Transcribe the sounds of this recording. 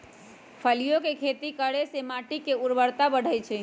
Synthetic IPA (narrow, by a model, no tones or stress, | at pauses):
pʰəlijokekʰet̪ikəɽesemaʈikːeuɾbəɽt̪abəɽ̤ʱəjt͡ʃʰɛ